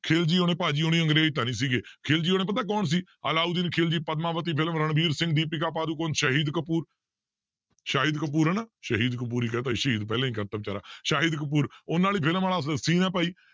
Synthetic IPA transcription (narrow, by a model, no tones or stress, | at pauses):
kʰeːld͡ʒiːoːnẽːpaːd͡ʒiːoːnĩːəŋɡɾeːd͡ʒt̪̬aːnĩːs̬iːɡeːkʰeːld͡ʒiːoːnẽːpət̪̬aːk̬ɔːns̬iː | ə̰laːuːd̪iːnkʰeːld͡ʒiːpəd̪mãːʋət̪iːpʰɪləmɾəɳbʱiːɾsɪ̃ŋɡ̚d̪iːpɪk̬aːp̬aːd̪uːkoːnʃəɦiːd̪kəpuːɾ | ʃaːɦiːd̪kəp̬uːɾɛːnaːʃəɦiːd̪kəp̬uːɾiːkɛːt̪aːiʃəɦiːd̪pɛːlãːiːkəɾt̪əːb̚t͡ʃaːɾa̰ːʃaːɦiːd̪k̬əp̬uːɾonaːliːpʰɪləmaːlaːsəsiːnɛ̃ːpaːiː